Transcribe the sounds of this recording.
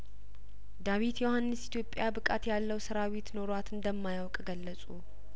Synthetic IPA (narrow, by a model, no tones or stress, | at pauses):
d̪awit̪jo̞hanːɨsit̪ʰjo̞pʼːjabɨkʼat̪jalːəwsɨɾawit̪no̞ɾat̪ɨnd̪əmːajawkʼɡəlːəsʼu